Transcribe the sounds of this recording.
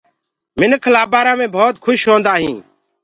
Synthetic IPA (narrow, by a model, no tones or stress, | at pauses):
mɪnkʰlaːbaːɾãːmẽːbʱoːt̪kʰʊʃɦõːnd̪aːɦĩː